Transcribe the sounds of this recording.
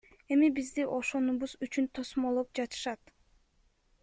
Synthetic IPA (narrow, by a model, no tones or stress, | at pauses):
e̞mibizd̪iʔo̞ʃo̞nuβuzyt͡ʃynt̪ʰo̞smo̞lˠop̚d͡ʒɑt̪ɯ̥ʃɑt̪